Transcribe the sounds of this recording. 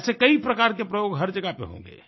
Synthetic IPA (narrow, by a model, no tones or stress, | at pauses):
sekəipɾəkaɾkepɾəjoɡɦəɾd͡ʒəɡapḛɦõ̰ŋɡḛ